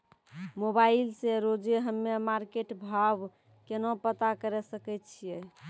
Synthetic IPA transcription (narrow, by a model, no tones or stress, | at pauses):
mobailseɾod͡ʒeɦəmːemaɾkeʈbʱab | kenopət̪akəɾɛsəkɛt̪t͡ʃʰijɛ